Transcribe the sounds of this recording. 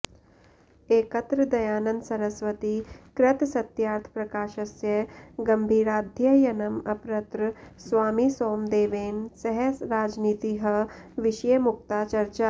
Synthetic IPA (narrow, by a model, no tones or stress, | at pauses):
eːkɐt̪ɾɐd̪ɐjaːnɐnsɐɾɐsʋɐt̪iːkɾɐt̪sɐt̪jaːɾt̪ʰpɾɐkaːʃɐsjɐɡɐmbʱiːɾaːd̪ʱjɐjɐnɐmɐpɾɐt̪ɾsʋaːmisoːmd̪eːʋeːnsɐɦɐsɾaːd͡ʒniːt̪iːɦɐʋiʃɐjɐmuk̚t̪aːt͡ʃɐɾt͡ʃa